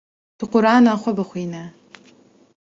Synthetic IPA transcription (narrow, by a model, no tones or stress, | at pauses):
tʰɨqʷʊɾaːnaːχʷɐbɨχʷiːnɐ